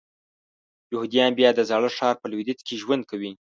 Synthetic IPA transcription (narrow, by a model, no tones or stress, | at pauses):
jʊhud̪ijɑnbjɑd̪əzɑɽəʂɑɾpəlwid̪ɪt̪kʰeʒwand̪̚kʰawi